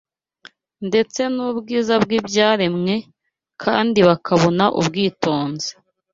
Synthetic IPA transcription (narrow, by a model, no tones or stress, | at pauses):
nde̞t͡se̞nubɡiːzabɡibɟaːɾemŋe̞ | kʰa̰ːndiβakʰaβo̞naʔṵbɡiːto̞ːnze̥